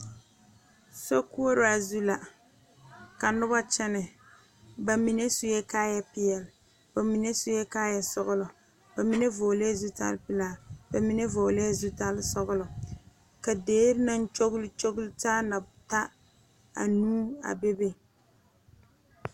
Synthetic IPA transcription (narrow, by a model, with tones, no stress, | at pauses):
sɔ˦ku˦o˦ɾa˨zu˦la˨ | ka˨nʊ˦ba˦t͡ʃɛ˦nɪ˨ | ba˨mi˨ne˦sʊ˦jɛ˦kaː˦ja˦pɪ˦jɛ˨l | ba˨mi˨ne˦sʊ˦jɛ˦kaː˦ja˨sɔ˦ɣʊ˦lɔ˨ | ba˨mi˦ne˦voː˨le˦zu˦ta̰˦lpɪ˦laː˦˨ba˨mi˨˦ne˦voː˨le˦zu˦ta˦lsɔ˦ɣʊ˦lɔ˨ | ka˨deː˦ɾna˦n˦t͡ʃo˦ɣʊ˦lt͡ʃo˦ɡʊ˦ltaː˦na˨ta˦ | a̰˨nuː˦a̰˨be˦be˦